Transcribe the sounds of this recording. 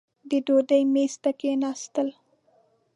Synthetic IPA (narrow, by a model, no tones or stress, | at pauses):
d̪əɖoɖəjmest̪akenɑst̪əl